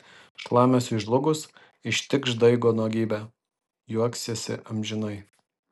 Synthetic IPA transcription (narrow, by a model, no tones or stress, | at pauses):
ʃlˠɑːmʲɛsɪʒlˠʊɡʊs | ɪʃʲt̪ʲɪkʃd̪ɐɪɡoːnuɔɡʲiːbʲæ | juɔksʲesʲɪ̰ʔɐmʲʒʲɪnɐɪ